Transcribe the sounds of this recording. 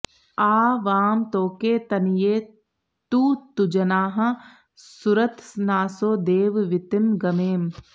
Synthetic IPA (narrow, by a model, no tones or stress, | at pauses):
aːʋaːmt̪oːkeːt̪ɐnijeː | t̪uːt̪ud͡ʒɐnaːɦɐ̆ | suɾɐt̪snaːsoːd̪eːʋʋɪt̪ɪmɡɐmeːm